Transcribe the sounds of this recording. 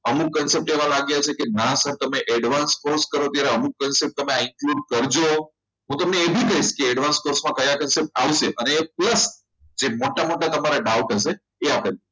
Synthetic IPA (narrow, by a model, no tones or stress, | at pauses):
əmukːənsep̚ʈeʋãlaɡjat͡ʃʰekenãsəɾt̪əmeʔɛɖʋanskoɾskəɾoət̪jaɾeəmuk̚ːənsep̚ʈt̪əmẽaɪŋkluɖkəɾd͡ʒo | ɦũt̪əmneːbʱik̪əiʃkeːɖʋanskoɾsmãkəjakənsep̚ʈa̰ʋʃeʔəneːpləs | d͡ʒemoʈamoʈat̪əmaɾaɖaʋkəʃe | eapel